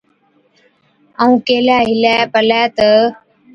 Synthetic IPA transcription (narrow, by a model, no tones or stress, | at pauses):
əːũːkeːlaːɦɪlɛːpəlɛːt̪ə